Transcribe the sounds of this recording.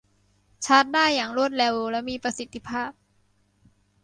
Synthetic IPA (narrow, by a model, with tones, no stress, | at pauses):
t͡ɕʰa˦˥t̪̚daː˥˩jːaː˨˩ŋɾu˥˩ət̪̚le˧wlɛ˦˥miː˧pɾa˧si˨˩t̪ʰːi˧˥pʰaː˥˩p̚